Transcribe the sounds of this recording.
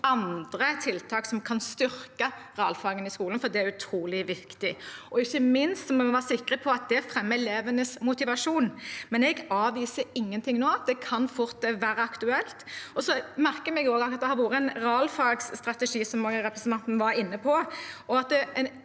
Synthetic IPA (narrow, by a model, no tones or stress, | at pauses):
ɑnd̪ɾət̪ʰɪlt̪ʰɑːksɔmkʰɑnst̪ʏɾkəʁɑːlfɑːɡənɪskuːlənfɔd̪ɛæɾʉt̪ʰɾuːlɪʋɪkt̪ɪʔɔɪçːəmɪnst̪sɔmɔmɔʋɑːʁsɪkɾəpʰɔɑt̪̚d̪ɛæfɾɛmːəleːʋənəsmʊt̪ɪʋɑʂuːnmɛnɛɡɑːʋiːsəɪŋːənt̪ʰɪŋnoːɑt̪̚d̪ɛkʰɑnfʊɾt̪ːɛʋæːɾəɑkt̪ʉɛlt̪ɔsɔmæɾkəmɛɡoːɡɑɑt̪d̪ɛhɑɾʋoːɾəɛnɾɑlfɑːɡsːt̪ʁɑt̪ɛʂiːsɔmoɡɾɛpɾəsnt̪ʰɑnt̪n̩ʋɑɾɪnːəpʰɔɔɑt̪d̪ɛɛn